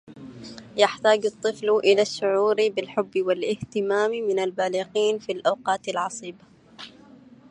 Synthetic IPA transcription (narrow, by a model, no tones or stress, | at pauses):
jaħt̪aːd͡ʒɑt̪ˤːɨflʔɪlaʃːʊʕuːɾbɪlħʊbːwɪlʔɪht̪ɪmaːmmɪnalbaːliqiːnfilʔawqɑːt̪alʕɑsˤiːba